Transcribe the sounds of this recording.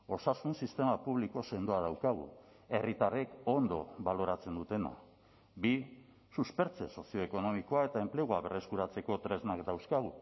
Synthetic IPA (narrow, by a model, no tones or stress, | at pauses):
o̞sasunsist̪e̞mapuβliko̞se̞nd̪oað̞awkaɣ̞ṵ | e̞rit̪are̞ko̞nd̪o̞̰βalo̞ɾat͡se̞nd̪ut̪e̞na̰ | bi | suspe̞ɾt͡se̞so̞sio̞eko̞no̞miko̞ae̞t̪ae̞mple̞ɣuaβe̞re̞skuɾat͡se̞ko̞t̪ɾe̞znakd̪awskaɣ̞u